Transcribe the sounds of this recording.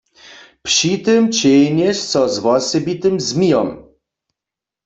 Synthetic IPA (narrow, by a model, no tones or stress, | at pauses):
pʂit̪ɪmt͡ɕejnɛʃsɔzwɔsɛbit̪ɘmzmʲijɔm